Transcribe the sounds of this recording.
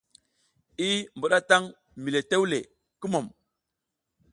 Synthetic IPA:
i˦mbu˨ɗa˦ta˦ŋ | mi˨le˨te˦wlḛ˨ | ki˦mo˨m

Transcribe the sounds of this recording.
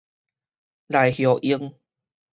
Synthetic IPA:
la˨˩jhjo˨˩ʔi˧əŋ

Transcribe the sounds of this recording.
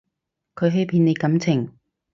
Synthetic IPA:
kʰɵ˨˧ɥɦɵ˧˥pʰiː˨˧ne˨˧jkɐ˨˥mt͡sʰɪ˨˩ŋ

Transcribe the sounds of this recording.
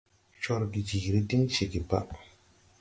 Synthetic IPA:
t͡ʃɔ˧ɾɡi˨d͡ʒi˨ɾi˦di˦ŋt͡ʃe˨ɡi˨ba̰˦ʔ

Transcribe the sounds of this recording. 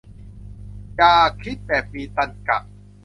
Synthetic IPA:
jaː˨˩kʰɾi˦˥t̪̚pɛː˨˩fiː˧t̪a˧nka̰˨˩ʔ̚

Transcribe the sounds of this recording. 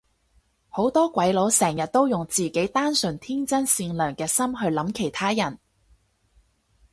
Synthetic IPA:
ho˨˥wt̪ɔː˥kʷɐ˨˥jlo˨˥wsɛː˨˩ŋjɐ˨t̚t̪o˥wjʊ˨˩ŋt͡siː˨ke˨˥jt̪aː˥nsɵ˨nt̪ʰiː˥nt͡sɐ˥nsiː˧nlœː˨˩ŋkɛː˧sɐ˥mɦɵ˧ɥlɐ˨˥mkʰe˨˩jt̪ʰaː˥jɐ˨˩n

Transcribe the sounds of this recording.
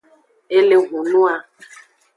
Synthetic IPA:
e˦le˦ɣʷu˨nũ˦a˧

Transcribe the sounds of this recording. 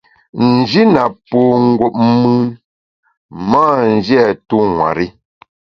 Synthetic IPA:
n̩˨d͡ʒi˦na˨po˨ŋ̩˦ɡwo˨p̚m˦mʉ˦n | maː˦˨n̩˦˨d͡ʒjɛ˦˨tu˦ŋwa̰˨ɾi˦

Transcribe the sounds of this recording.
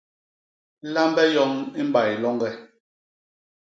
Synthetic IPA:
la˦mbɛ˦jɔ˦ŋi˦m̩˦ba˨jlɔ˦ŋɡɛ˦

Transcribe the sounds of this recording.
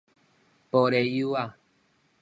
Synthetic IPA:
pɔ˨ɾɛ˨ju˦a˦˨

